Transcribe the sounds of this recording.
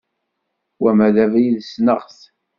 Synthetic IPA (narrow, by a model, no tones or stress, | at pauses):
wæmæðævæjiðsnəʁθ